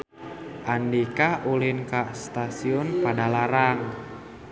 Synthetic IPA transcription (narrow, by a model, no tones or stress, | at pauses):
ʔandikaʔulɪnkaʔst̪asiɔnpadalaɾaŋ